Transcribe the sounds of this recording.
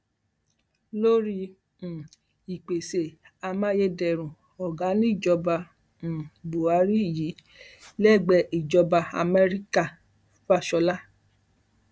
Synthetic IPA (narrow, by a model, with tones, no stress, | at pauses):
lo˦ɾĩ˧˨ | i˨k͡pe˨se˨a˧mã˦je˦dɛ˧˨ɾ̃ũ˨ | ɔ˨ɡa˨˦nĩ˦˨d͡ʒɔ˧bã˧˨ | bu˨a˨˦ɾi˦˨ji˨˦ | lɛ˦˨ɡ͡bɛ˧ʔi˨d͡ʒɔ˧ba˧a̰˧mɛ˦ɾi˦ka˦˨˦ | fa˦˨ʃɔ˧la˦